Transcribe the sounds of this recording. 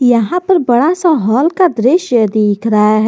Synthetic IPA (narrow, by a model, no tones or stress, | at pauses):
jɐɦãpɐɾbɐɽasaɦɔːlkad̪ɾeʃjəd̪eːkʰɾɐɦaɦɛ